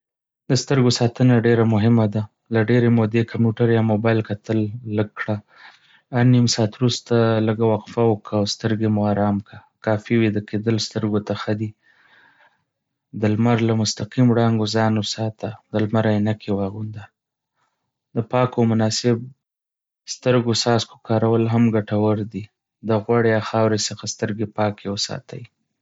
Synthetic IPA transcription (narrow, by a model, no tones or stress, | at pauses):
d̪əst̪əɾɡosɑt̪ənaɖeɾamʊɦɪmad̪a | laɖeɾemod̪ekʰampjuʈaɾjɑmobɑjlkat̪əlːəɡkɽa | animsɑːt̪wɾust̪aləɡawaqfawəkʰawst̪əɾɡemʊaɾɑmkakɑfiwed̪əked̪əlst̪əɾɡot̪axad̪i | d̪əlmaɾlamʊst̪aqimɽɑŋɡozɑnwəsɑt̪ad̪əlmaɾajnakʰewɑɣund̪a | d̪əpɑkomʊnɑsɪb̚ | st̪əɾɡosɑsko̥kɑɾawəlɦamɡaʈawəɾd̪i | d̪əɣwaɽejaxɑwɾesəxast̪əɾɡepɑkewəsɑ̰t̪ʰa̰ji